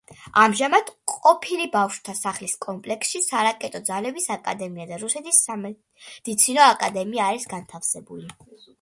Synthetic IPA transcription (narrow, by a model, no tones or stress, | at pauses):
amʒamad̪̥qʼɔpʰilibafʃt̪ʰasaχliskʼɔmpʼlɛksʃisaɾakʼɛt̪ʼɔd̪zalɛbisakʼa̰d̪ɛmiad̪aɾusɛt̪ʰisa | d̪̥it̪sʰinɔakʼad̪ɛmiaːɾisɡant̪ʰafsɛbuli